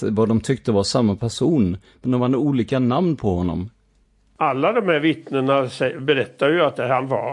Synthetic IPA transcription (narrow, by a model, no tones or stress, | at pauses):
vad̪ɔmt̪ʰʏkt̪əvaʂamːapʰæʂuːn | mɛnd̪ɔmvanuːliːkanamnpʰɔhɔnːɔ̰m | alːad̪ɔmhæɾvɪt̪nəɳasɛbɛɾɛt̪ːajɵat̪̚d̪ɛhanva̰